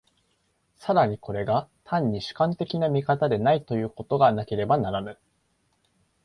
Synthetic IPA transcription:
saɾaɲ̟ikʰo̞ɾe̞ɡat̪ʰãɲ̟ːiɕɨ̥kãnt̪e̞kʲinamʲikat̪ad̪e̞nait̪o̞jɯ̟ːko̞t̪o̞ɡanake̞ɾe̞banaɾanɯ

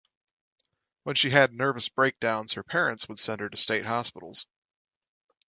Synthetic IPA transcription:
wə̃nʃiɨdⁿnɜ˞vɨsb̥ɹeɪk̚d̥ãʊ̃nz̥hə˞pʰɛɹɨ̃ntswəd̥sɛ̃nd̚ə˞ɾɨsteɪt̚hɑspɪɾl̩ˠz̥

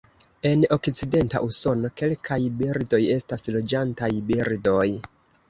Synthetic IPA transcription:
e̞no̞kt͡side̞nta̰ʔuso̞no̞ke̞lkʰajbiɾdo̞je̞staslo̞d͡ʒantajbiɾdo̞j

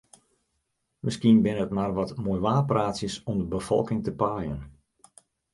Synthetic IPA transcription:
məskiənbɪnəətmarʋɔtmoːjʋaːpraːtsjəsɔmdəbəfɔ̰lˠkɪŋtəpaːjən

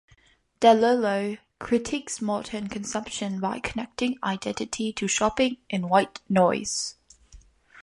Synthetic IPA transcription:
d̥ɛləloʊ | kʰɹ̥ɪtʰiksmɔdənkʰə̃nsʌ̃mpʃə̃nbaɪkʰənɛk̚tɪ̃ŋa̰ɪdɛ̃ntɪtʰitʰəʃɔpɪ̃ŋʔɪ̃nwaɪtnɔɪz̥

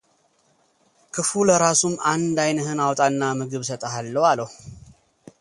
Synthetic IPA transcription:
kʰɨfuləɾasumːand̪ajnəhɨnawt̪ʼanːamɨɡɨβsət̪ʼəɦalːəwaləhu

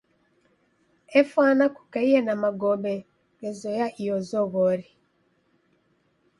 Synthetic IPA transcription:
efwanaku̥kaijenamaɡobe | ɡezojaʔijozoβoɾi

